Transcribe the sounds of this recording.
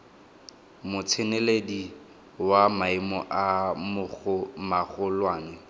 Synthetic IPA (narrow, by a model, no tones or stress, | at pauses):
mʊt͡sʰɪneledi | wamaɪmɔ̰ʔamʊχʊmaχʊlwaːnɛ